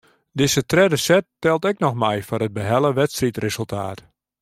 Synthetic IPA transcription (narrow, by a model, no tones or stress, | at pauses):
dɪzətrɛdəsɛtːɛlˠtɛknɔxmɛjfɔnəd̚bəɦɛlˠəʋɛtstritrezəlˠtʰa̰ːt